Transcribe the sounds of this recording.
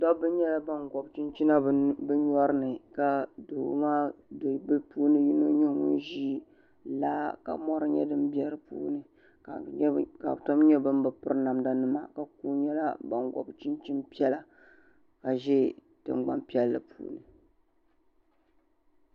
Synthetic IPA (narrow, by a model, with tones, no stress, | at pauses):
dɔ˦bɨ˦ɲɛ˦la˦ba˦nɡɔ˨bt͡ʃi˦nt͡ʃi˦na˦bɨ˦ɲɔ˦ɾɨ˦nɨ˨ka˨do˨˦maː˦dbɨ˦puː˦nɨ˦ji˦no˦ɲɛ˦ŋʊ˦nʒiː˦ | laː˦ka̰˨mɔ˦ɾɨ˦ɲɛ̰˦dɨ˦mbi˦ɛ˦ɾɨ˦pṵː˦nɨ˨ | a˨˦ka̰˨tɔ˦mɲɛ˦bɨ˦m˦bɨ˨pɨ˦ɾɨ˦na˨mda˦nɨ˦ma̰˨ka˨kuː˦ɲɛ˦la˦ba̰˨nɡɔ̰˨bt͡ʃi˦nt͡ʃi˦npi˦ɛ˦la˨ | ka˨ʒɛ˦ | tɨ̰˨mɡ͡ba̰˦mpi˦ɛ˦lːɨ̰˨pʰṵː˦nɨ˨